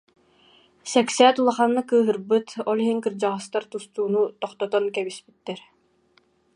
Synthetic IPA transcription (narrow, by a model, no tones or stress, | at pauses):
sɛksɛːt̪ulˠaχanːɯkɯːɦɯɾbɯt̪ɔlˠiɦiŋkɯɾd͡ʑaʁɯst̪aɾt̪ust̪uːnut̪ɔχt̪ɔt̪ɔnkɛbispit̪ːɛɾ